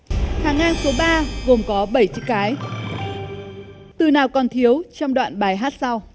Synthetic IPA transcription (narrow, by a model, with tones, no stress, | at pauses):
h̪aː˨˩ŋaː˧nso˨˦ɓaː˧ɣo˨˩mkɔ˨˦ɓə˧˩jt͡ɕɨ̰˧˥kaː˨˦j | t̪ɨ˨˩naː˨˩wkɔ˨˩nt̪ʰi˨˦əwt͡ɕɔ˧wŋ͡mɗwa̰ː˧˨nɓaː˨˩jɦaː˦˥t̚sa˧w